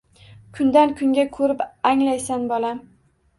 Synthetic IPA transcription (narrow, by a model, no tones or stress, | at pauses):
kʰʊnd̪ankʰʊŋɡʲakʰɵɾɪpaŋlajsanbɒlam